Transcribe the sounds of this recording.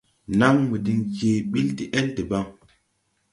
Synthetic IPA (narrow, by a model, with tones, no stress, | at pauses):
na˦mwi˨di˨ŋke˨ɓi˦ldi˦ʔɛ˦lti˨ba˦ŋ